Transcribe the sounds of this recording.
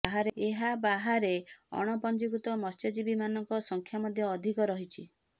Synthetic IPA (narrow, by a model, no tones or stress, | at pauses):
aɦaɾeeɦabaɦaɾeɔ̰ɽ̃ɔpɔnd͡ʒikɾut̪ɔmɔst͡ʃɔd͡ʒibimanɔŋkɔsɔŋkʰjamɔd̪ʱjɔːd̪ʱikɔɾɔɦit͡ʃʰi